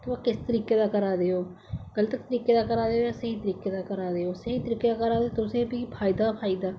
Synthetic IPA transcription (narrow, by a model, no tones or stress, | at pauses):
t̪ʊakɪst̪əɾiːkeːd̪aːkəɾaːd̪eːoːɡəlt̪əkt̪əɾiːkeːd̪aːkəɾaːd̪eːoːjasəɦiːt̪əɾiːkeːd̪aːkəɾaːd̪eːoːsəɦiːt̪əɾiːkeːd̪aːkəɾaːd̪et̪ʊsẽːpiːpʰaːid̪aːpʰaːid̪aː